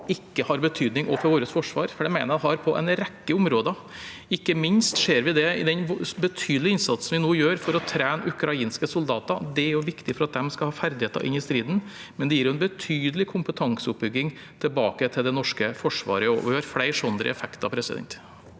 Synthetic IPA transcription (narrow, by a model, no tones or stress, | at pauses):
ɪkːəhɑɾbət̪ʰyːd̪nɪŋʔɔːfɔɾʋoːɾəsfɔʂʋɑ̰ːɾfɔɖɛɪmæɪnəɾɛɦɑɾpʰɔʔɛ̰nɾɛkːəʊmɾoːd̪ə | ɪkːəmɪnst̪ʂeːɾʋɪd̪ɛɪ̰d̪ɛnbət̪ʰyːd̪əlɪɪnsɑt̪sn̩ʋɪnoːjøːɾfɔɾɔt̪ʰɾæːnʔʉkɾɑiːnskəsʊld̪ɑːt̪ɑd̪ɛæɾjʊʋɪkt̪ɪfɔɾɑt̪̚d̪ɛmskɑlhɑːfæɾd̪ɪheːt̪ɑ̰ʔɪ̰nːɪst̪ɾiːd̪n̩ | mɛnd̪ɛjiːɾjʊɛnbət̪ʰyːd̪əlɪkʰʊmpət̪ʰɑŋsəʊp̚bʏɡːɪŋ | t̪ʰɛlbɑːkət̪ʰɪld̪ɛnɔʂkəfɔʂʋɑ̰ːɾəɔɔ̰ʋɪhɑɾflæɪɾʂɔnd̪ɾə̰ɛ̰fɛkt̪ɑ̰pʰɾɛsɪd̪ɛ̰nt̪